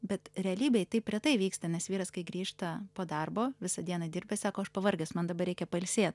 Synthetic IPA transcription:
bʲɛt̪ɾʲɛɐlʲiːbʲɛɪt̪ɐɪpʲːɾʲɛt̪ɐɪʋʲiːkst̪ɐnʲɛsʋʲiːɾɐskɐɪɡɾʲiːʃt̪ɐpoːd̪ɐrboːʋʲɪsɐd̪ʲiɛnɐd̪ʲɪɾʲbʲɛsɑːkoːɐʃpɐʋɐrʲɡʲɛsmɐnd̪ɐbɐrɾʲɛɪkʲɛpɐlʲsʲeːt̪̚

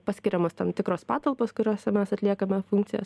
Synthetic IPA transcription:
pɐsʲkʲɪɾʲɛmoːst̪ɐnt̪ʲɪkɾoːspɑːt̪ɐlˠpoːskʊɾʲoːsʲɛmʲɛsɐt̪ʲlʲiɛkɐmʲɛfʊŋkt̪sʲɪjo̰ːs

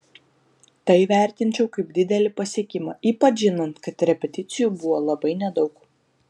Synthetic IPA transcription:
t̪ɐɪʋʲæˑɾʲt̪ʲɪnʲt͡ʃʲɛʊkɐɪb̚d̪ʲɪd̪ʲɛlʲɪpɐsʲiɛkʲɪmɐːʔiːpɐt͡ʃʒʲɪnɐnt̪kɐt̪ɾʲɛpʲɛt̪ʲɪt̪sʲɪjuːbʊʋoːlˠɐbɐɪnʲɛd̪ɒʊk

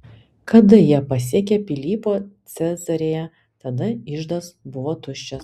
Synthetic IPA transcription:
kɐd̪ɐjiɛpɐsʲiɛkʲepʲɪlʲiːpoːt̪sʲɛzɐɾʲeːjɛ | t̪ɐd̪ɐɪʒd̪ɐsbʊʋoːt̪ʊʃʲt͡ʃʲɛs

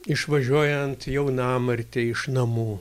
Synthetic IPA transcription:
ɪʃʋɐʒʲuɔjɛnt̪jɛʊnɑːmɐɾʲt̪ʲeɪʃnɐmuː

